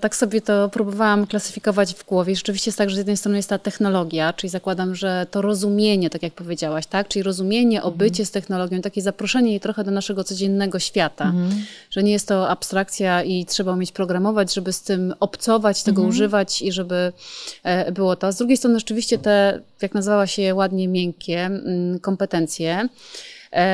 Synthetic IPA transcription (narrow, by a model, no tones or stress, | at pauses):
t̪aksɔbʲjɛt̪ɔpɾubɔvawamklasɘ̥fʲikɔvad͡ʑvɡwɔvʲjɛiʐɛt͡ʂɘvʲiɕt͡ɕɛjɛst̪ːaɡʐɛzjɛd̪nɛjst̪ɾɔnɨjɛst̪t̪ːat̪ɛxnɔlɔɡʲjat͡ʂɘlʲizakwad̪amʐɛt̪ɔɾɔzumʲjeɲɛt̪akʲjak̚pɔvʲjed͡ʑawaɕt̪akt͡ʂɘlʲiɾɔzumʲjeɲɛʔɔbɘt͡ɕɛst̪ɛxnɔlɔɡʲjɔ̃t̪akʲɛzapɾɔʂɛɲɛjit̪ɾɔxɛd̪ɔnaʂɛɡɔt̪sɔd͡ʑɛnːɛɡɔɕfʲjat̪aʐ̥ɛɲɛjɛst̪ːɔapst̪ɾak̚t̪sʲjaitʂɛbaumʲjet͡ɕpɾɔɡɾamɔvad͡ʑʐɛbɘst̪ɘmɔpt̪sɔvat͡ɕt̪ɛɡɔuʐɘvat͡ɕiʐɛbɘ | bɘwɔt̪ɔzd̪ɾuɡʲejst̪ɾɔnɘʐɛt͡ʂɘvʲiɕt͡ɕɛt̪ɛjaknazɘvawaɕɛwad̪ɲɛmʲjɛŋkʲɛkɔmpɛt̪ɛnt̪sʲjɛ